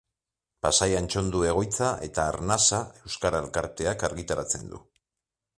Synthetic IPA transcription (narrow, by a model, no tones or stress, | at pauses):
pasajant͡ʃo̞nd̪ue̞ɣ̞o̞jt͡saʔe̞t̪aːɾnasae̞wskaɾaelkaɾt̪e̞akaɾɣit̪aɾat͡se̞̰nd̪ṵ